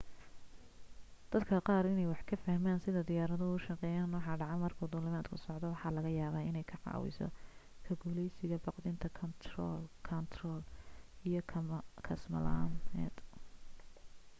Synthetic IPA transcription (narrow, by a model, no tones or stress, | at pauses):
d̪̥ɐd̪kʰɐqɑːɾɪnɛjwɑħkʰɐfɐhmaːnsɪðɐd̪ɪjaːɾɐðɔʊʃɐqɛjaːnːɔːħɑːɖɑʕɑmɐrkʰuːd̪ʊːlɪmaːd̪kʰʊsɔʕd̪ɔwɑħɑlɐɣɐjaːβaːɪnɛjkʰɐʕɑ̰ːwɪ̰sɔ̰kʰɐɡuːlɛjsɪɣɐbɑqd̪ɪnt̪ʰɐkʰɔnt̪ʰrɔːlkʰɐnt̪ʰrɔːlijɔkʰɐsmɐ̰la̰nɛ̰ːd̪